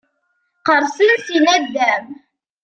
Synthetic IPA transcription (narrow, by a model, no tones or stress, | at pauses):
qəɾˤsinsinæd̪ːæm